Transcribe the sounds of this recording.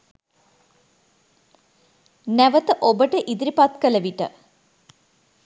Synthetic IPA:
næʋət̪əʔobəʈəʔid̪iɾipat̪kələʋiʈə̰

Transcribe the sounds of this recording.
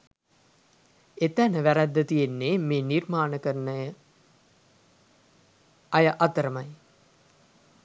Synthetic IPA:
et̪ænəʋæɾæd̪ːət̪ijenːeːmeːnirmaːnəkəɾnəjə | ɐjəʔat̪əɾəmaj

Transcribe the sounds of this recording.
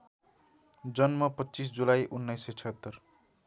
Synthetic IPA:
d͡zʌnmʌpʌtːt͡sisd͡zulajʔunːʌjsʌt͡sʰʌɦt̪ːʌr

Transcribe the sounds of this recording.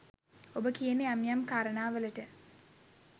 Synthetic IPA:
obəkijənəamjamkaːɾənaːʋələʈə

